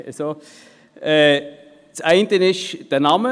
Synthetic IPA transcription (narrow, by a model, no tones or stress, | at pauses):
so | ɛː | t͡saɪntənɪʃd̥ənɑmə